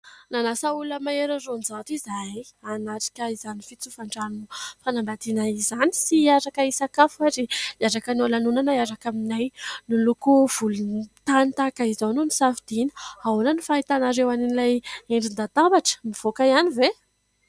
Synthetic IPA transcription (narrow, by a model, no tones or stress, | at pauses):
nanasauləmaeɾarond͡zat̪izajanaʈ͡ʂi̥kʲəizanifit͡sufaɳɖ͡ʐanufanambat̪inaizani̥siaɾakəisakafuaɾiaɾakənalanunanaaɾakaminajnilukuv̥ulunt̪anit̪akaizanunisafid̪̥inə̥haonanifaɦit̪anaɾewaninilajeɳɖ͡ʐind̪at̪ambaʈ͡ʂə̥miv̥okaianive